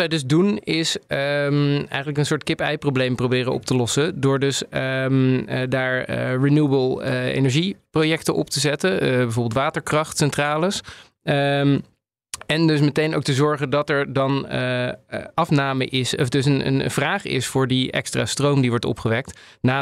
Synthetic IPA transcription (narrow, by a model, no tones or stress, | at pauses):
ɛjdɵzdunɪsəɛ̰jχənləkənsʊːɹtkɪpɛjproʊwblejmprowbɪːrənɔ̰p̚təlɔsədʊːɹdɵsmdaːɹərinuəbəlˠḛjnɛɹʒiprowjɛktəʔɔ̰p̚təzɛtəbɛjvʊːbɪlˠtʋaːtəɹkrɑχtsɛntraːləs | ɛndɵs̬mətejno̰wk̚təzɔɹχəndɑtɛɹdɑn | ɑfnaːməʔɪsɔfdɵsənə̰n̰v̥raːχɪ̰sfʊːɹdiʔɛ̰kstra̰strowmdiʋɔɹtɔ̰pχəʋɛk̚t | naː